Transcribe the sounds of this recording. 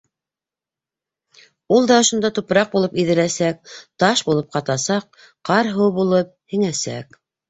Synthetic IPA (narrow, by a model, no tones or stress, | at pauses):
ulˠd̪ɑŏʃŏnd̪ɑt̪upɾɑq̚bulˠɤpiðɘ̆læsæk̚t̪ɑʃbulˠɤp̚qɑt̪ɑsɑq̚ | qɑɾɦɤwβulˠɤp̚hɘ̆ŋæsæ̰k